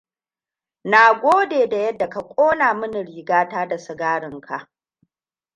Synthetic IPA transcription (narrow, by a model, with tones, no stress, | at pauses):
naː˨ɡʷoː˦deː˨da˨jɛ˦dːa˨ka˨kʷʼoː˦naː˨mɨ˦ni˨ɽiː˨ɡaː˦taː˦da˨sɪ˨ɡaː˦ɽɪ˨ŋkʰa˨ʔ